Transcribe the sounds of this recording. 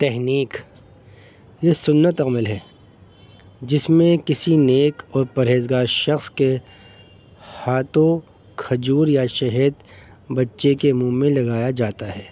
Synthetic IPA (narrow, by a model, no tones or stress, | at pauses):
t̪ɛɦniːk | jesʊnːət̪ɐmɪlɦɛː | d͡ʒɪsmẽkɪsineːkɔːɾpɐɾɦeːzɡaːɾʃɐxske | haːt̪õ | kʰɐd͡ʒuːɾjaʃɛɦəd̪ | bɐtːʃekemũːmẽlɐɡaːjad͡ʒaːt̪aɦɛː